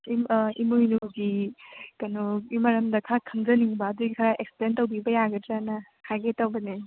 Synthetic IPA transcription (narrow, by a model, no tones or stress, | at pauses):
imimujnuɡikɐnuimɐɾɐmdɐkʰakʰɐŋzɐniŋbɐːduɡikʰɐɾaʔeksplentɐwbibɐjaɡɐtɾanɐ | kʰaɡetɐwbɐne